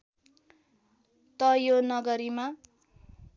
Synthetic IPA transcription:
t̪ʌjonʌɡʌɾima

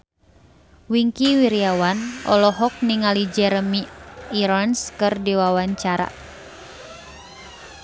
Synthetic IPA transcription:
wiŋkiwiɾiawanʔɔ̰lɔɦɔk̚niŋalid͡ʒɛɾəmiiɾanskɨrdiwawaɲt͡ʃaɾa̰

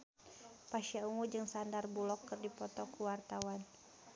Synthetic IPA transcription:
paʃiauŋud͡ʒɨŋsandarbulɔkːɨrdipɔt̪ɔkuwart̪awan

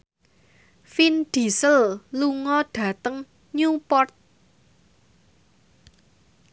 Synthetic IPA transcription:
finɖ̪̥i̤səlluŋɔɖ̥ä̤t̪əŋ | ɲupɔrt̪̚

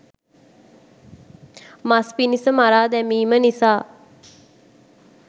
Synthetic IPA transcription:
maspinisəmaɾaːd̪ɛmiːmənisaː

